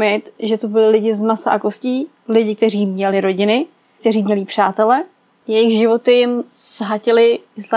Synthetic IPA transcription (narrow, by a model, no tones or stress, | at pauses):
mɪt̪ʒɛt̪obɪlɪlɪɟɪzmasa̰ʔakosciː | lɪɟɪk̚t̪ɛriːmɲɛlɪɾo̞ɟɪnɪ | k̚t̪ɛɾiːmɲɛliːpr̥aːt̪ɛlɛ | jɛjɪxʒɪvo̞t̪ɪjɪmsɦacɪlɪɪsla